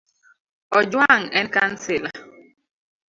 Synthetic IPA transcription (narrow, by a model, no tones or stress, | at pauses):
ɔd͡ʒwaŋɛnkan̩sila